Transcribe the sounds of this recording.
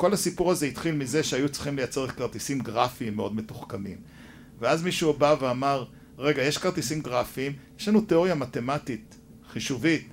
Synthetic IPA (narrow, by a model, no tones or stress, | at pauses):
ko̞lasipuʁazeit̪χilmize̞ʃeajut͡si̥χimlejat͡se̞ʁetkaʁt̪isimɡʁafiimːeo̞dme̞tuχkamim | veazmiʃubaveamaʁ | ʁe̞ɡajeʃkaʁt̪isimɡʁafiːmjeʃlanuteo̞ʁjamate̞matit̪ | χiʃuvit̚